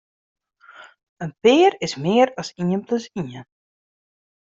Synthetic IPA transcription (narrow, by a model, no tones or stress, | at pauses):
ənpɪəɾɪsmɪəɾɑsiənpləsiən